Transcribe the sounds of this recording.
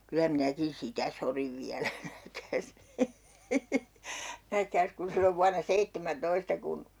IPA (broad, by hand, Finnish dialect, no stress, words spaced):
kylæ minækin sitæ soriʋ ʋiælæ næhkæːs næhkæːs kun silːoʋ ʋuɑnɑ seitːemæntoistɑ kun